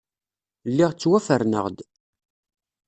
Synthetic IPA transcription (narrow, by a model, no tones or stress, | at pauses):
lːɪʁt͡sːwæfəɾnə̰ʁd̪